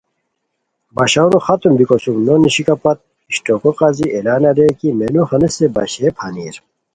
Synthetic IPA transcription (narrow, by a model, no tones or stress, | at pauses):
bɐɕawnoxɐt̪umbikosuŋnoniɕikɐpɐt̪̚ | iɕʈokoqaziʔelaːnɐɾeːkimenuhɐnisebɐ̰ɕepʰɐniːɾ